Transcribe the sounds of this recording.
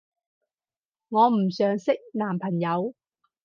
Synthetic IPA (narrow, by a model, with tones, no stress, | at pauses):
ŋɔː˨˧m̩˨˩sœː˨˧ŋsɪ˥k̚naː˨˩mpʰɐ˨˩ŋjɐ˨˧w